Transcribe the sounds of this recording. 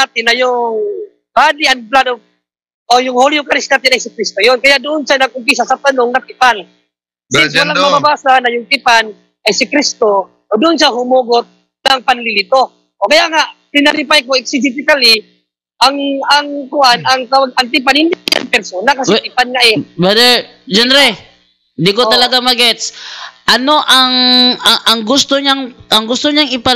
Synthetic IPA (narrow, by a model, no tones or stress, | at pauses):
at̪ɪnːɐjʊŋ | b̥aːlɪanplad̪o | ʔojʊŋholjʊkaɾɪsnaːt̪ɪnajsɪkɾist̪ojonkɐjaʔd̪ʊʔonʃanɐɡ̚ʊmp̬is̬asat̪ɐnoŋnɐt̪ɪpan | swalaŋmɐbabaːsanɐjʊŋt̪ɪpan | ʔajsɪkɾɪst̪o | ʔod̪ʊʔonʃaɦʊmoɡot̪̚ | naŋpanlɪlɪt̪o | ʔokɐjaʔŋaʔpɪnaɾɪpajkoɛksɪd͡ʒɪt̪ɪkalɪ | ʔaŋaŋkʊʔanɐŋkɐwaɡɐŋt̪̬ɪp̬anhɪnd̪ɪja̰ŋpɛɾsonakɐsɛt̪ɪpanŋaʔɛbad̪ɛ | d͡ʒɛnɾɛ | nd̪ikot̪ɐlɐɡamɐɡɛt̪sʔɐno̞ʔaŋɐɐŋɡʊst̪oɲaŋʔɐŋɡʊst̪oɲaŋɪpa